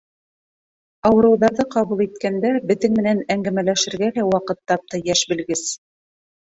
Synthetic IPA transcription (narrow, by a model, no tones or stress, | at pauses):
ɑwɤ̆ɾɤ̆wðɑɾðɤqɑβulˠit̪̚kænd̪æbɘ̆ðɘŋmɘ̆nænæŋɡæmælæʃɘ̆ɾɡælæwɑqɤt̪ːɑp̚t̪ɑjæʃbɘ̆lɡɘs